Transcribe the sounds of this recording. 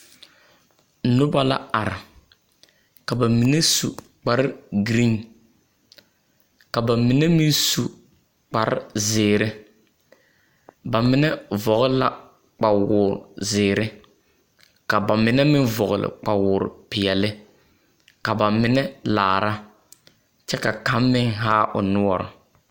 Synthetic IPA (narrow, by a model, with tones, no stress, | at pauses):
nʊ˦ba˦la̰˦a˨ɾɪ˨ | ka˨ba˨mi˨nɛ˦sṵ˨ | k͡pa˨ɾɪ˦ɡɾi˦n | ka˨ba˨mɪ˨nɛ˦mɪ˦n˦su˨ | k͡pa˨ɾɪ̰˦zɪː˨ɾɪ˦ | ba˨mɪ˦nɛ˦vɔ˨ɣla̰˦ | k͡pa˨wʊː˨ɾzɪː˨ɾɪ˦ | ka˨ba˨mɪ˨nɛ˦mɪ˦nvɔ˨ɣʊ˨lɪ̰˨k͡pa˨wʊ˨ɾ̰pɪ˨ɛ˨lɪ˦ | ka˨ba˨mɪ˦nɛ˦la̰ː˨ɾa˦ | t͡ʃɛ˦ka˨ka˨˦mːɪ˦ŋɦaː˦ʔʊ̰˨nʊ˦ɔ˨ɾʊ̰˨